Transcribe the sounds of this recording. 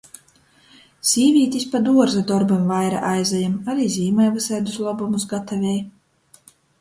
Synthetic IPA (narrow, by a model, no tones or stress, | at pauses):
sʲiːvʲiːt̪ʲispad̪uɔɾzad̪ɔɾbamvajɾa̰ʔajzajamaɾiːzʲiːmɛjvɨsɛjd̪uslˠɔbumusɡat̪avʲɛj